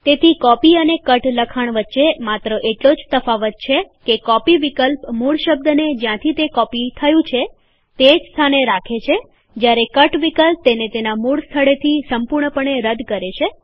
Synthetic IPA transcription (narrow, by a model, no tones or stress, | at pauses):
t̪et̪ʰikɔpiənekəʈləkʰaɳ̃ʋətːʃemat̪ɾəʔeʈlod͡ʒsəfaʋət̪̚t͡ʃʰekekɔpiʋikəlpmuɽʃəb̚d̪ned͡ʒjãt̪ʰit̪ekɔpit̪ʰəjũt͡ʃʰe | t̪ed͡ʒst̪ʰaneɾakʰet͡ʃʰe | d͡ʒjaɾekəʈʋikəlp̚t̪enet̪enamuɽst̪ʰəɭet̪ʰisəmpuɾɳəpəɳeɾəd̪kəɾet͡ʃʰe